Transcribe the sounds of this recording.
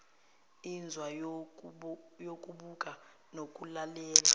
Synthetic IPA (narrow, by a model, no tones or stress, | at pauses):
ind͡zʱwa | jokʼuɓukʼa | nokʼulalɛːla